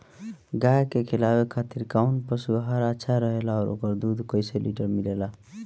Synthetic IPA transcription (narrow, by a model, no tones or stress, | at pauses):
ɡajkekʰelabekʰat̪iɾkaʊnpəsuɦəɾatːʃʰaɾəɦelaɔːɾo̰kəɾd̪ud̪kəɪseliʈəɾmilela